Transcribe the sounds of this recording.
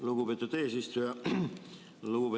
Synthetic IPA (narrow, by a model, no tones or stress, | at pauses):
luɡupeːt̪ːˑud̪̥e̞ːsist̪ujɑ | luɡ̥upe